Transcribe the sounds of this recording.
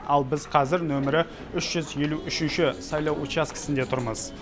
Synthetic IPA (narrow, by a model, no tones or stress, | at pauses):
ɑlˠbɪzqʰɑzɪɾnɵmɪɾɪ | ʏʃʒ̥ʏzje̞luʔʏʃɪnʃɪsɑjlˠɑwot͡ʃjaskʲʰɪ̥sɪnd̪e̞t̪ʰʊɾməz̥